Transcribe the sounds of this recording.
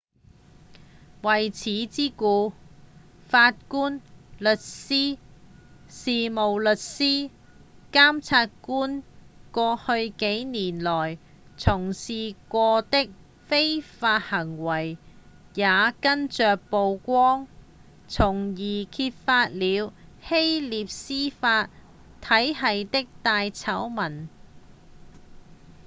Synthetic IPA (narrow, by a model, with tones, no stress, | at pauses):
wɐ˨jt͡sʰiː˨˥t͡siː˥kuː˧ | faː˧t̚kuː˥nlɵ˨t̚siː˥ | siː˨mo˨˩wlɵ˨t̚siː˥ | kaː˥mt͡sʰaː˧t̚kuː˥nkʷɔː˧hɵ˧ɥke˨˥jniː˨˩nlɔː˨˩j | t͡sʰʊ˨˩ŋsiː˨kʷɔː˧t̪ɪ˥k̚ | fe˥jfaː˧t̚hɐ˨˩ŋwɐ˨˩j | jaː˨˧kɐ˥nt͡ʃœː˨k̚po˨˧wkʷɔː˥ŋ | t͡sʰʊ˨˩ŋjiː˨˩kʰiː˧t̚faː˧t̚liː˨˧˥whe˥jliː˨p̚siː˥faː˧t̚ | t̪ʰːɐ˨˥jɦɐ˨jt̪ɪ˥k̚t̪aː˧jt͡sʰɐ˨˥wmɐ˨˩n